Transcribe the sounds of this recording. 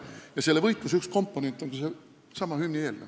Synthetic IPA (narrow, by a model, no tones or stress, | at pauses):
jɑselːevɤjt̪ˑlusyksko̞mpːone̞nt̪ːˑoŋkuse | sɑmɑhymnʲieːlːḛ